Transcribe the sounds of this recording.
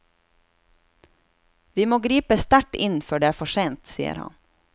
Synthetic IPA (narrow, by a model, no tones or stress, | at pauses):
ʋiːmoːɡɾiːpəst̪æʈɪnføːɖeːæːɾfɔʂeːnt̪sḭːə̰ɾhɑ̰n